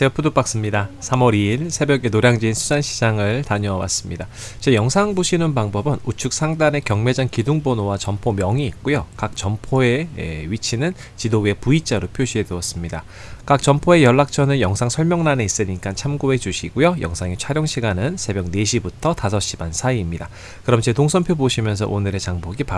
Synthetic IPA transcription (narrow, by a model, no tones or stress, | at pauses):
t͡ɕep͈ʰudop͈ak̚s͈ɯmɲidasʰamʌɾiiɭsʰe̞bjʌɡe̞noɾjaŋd͡ʑiinsʰud͡ʑanɕʰid͡ʑaŋɯɭtaɲoawa̰s͈ɯmɲida | t͡ɕejʌŋsʰaŋbuɕʰinɯnbaŋbʌbɯnut͡ɕʰuk̚s͈ʰaŋdane̞kjʌŋme̞d͡ʑaŋkiduŋbonowat͡ɕʌmpʰomjʌŋiːt̚k͈ujokak̚t͡ɕʌmpʰoe̞̰ɥit͡ɕʰinɯn | t͡ɕidoɡe̞puit͡ɕ͈aɾopʰjoɕʰie̞duʌs͈ɯmɲida | kak̚t͡ɕʌmpʰoe̞jʌɭːak̚t͡ɕʰʌnɯnjʌŋsʰaŋsʰʌɭmjʌŋnane̞is͈ɯɲik͈ant͡ɕʰamɡoe̞d͡ʑuɕʰiɡ̥ujojʌ̰ŋsʰaŋet͡ɕʰaɾjʌŋɕʰiɡanɯnsʰe̞bjʌŋne̞ɕʰibutʰʌtasʰʌɕ͈ibansʰaiːmɲida | kɯɾʌmt͡ɕe̞toŋsʰʌmpʰjoboɕʰimjʌnsʰʌ̰ʔonɯɾe̞t͡ɕaŋboɡip